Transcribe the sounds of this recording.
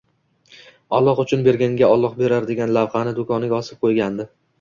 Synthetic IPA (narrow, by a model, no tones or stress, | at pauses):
ɒlˠːɒqʊt͡ʃʰʊnbe̞ɾɡʲaŋɡʲaɒlˠːɒqbe̞ɾaɾd̪e̞ɡʲanlavχɑnɪd̪ʊkʰɒnɪɡʲaɒsɪp̚qʰojɡʲand̪ɪ